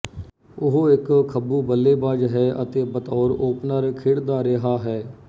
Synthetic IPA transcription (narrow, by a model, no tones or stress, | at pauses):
ʊɦoɪkkʰːəbuːbəlːeːbaːd͡ʒɦɛːʔə̰t̪eːbət̪ɔːɾʊːpnəɾkʰeːɽd̪aːɾɪɦaːɦɛː